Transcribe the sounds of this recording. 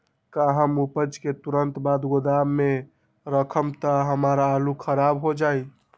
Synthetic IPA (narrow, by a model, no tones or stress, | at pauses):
kaɦəmupəd͡ʒket̪uɾənt̪bad̪ɡod̪amːe | ɾəkʰəmt̪aɦəməɾaːlukʰəɾabɦod͡ʒaj